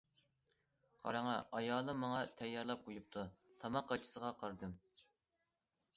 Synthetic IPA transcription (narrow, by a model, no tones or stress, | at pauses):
qʰɑ̰ɾɑŋɑʔɑjɑːlˠɨmːɑŋɑt̪ʰɛjːɑɾlˠɑp̚qʰojup̚t̪ʰut̪ʰɑmɑqːɑt͡ʃʰi̥səʁɑqʰɑɾd̪ɨm